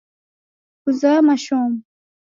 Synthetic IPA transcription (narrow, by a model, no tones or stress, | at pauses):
uzamaʃom